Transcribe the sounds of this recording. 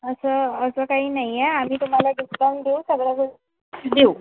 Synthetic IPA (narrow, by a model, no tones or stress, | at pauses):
əsəːsəkaɦiːnaɦjaam̤iːt̪um̤alaɖisband̪eusəɡɽakə | d̪eu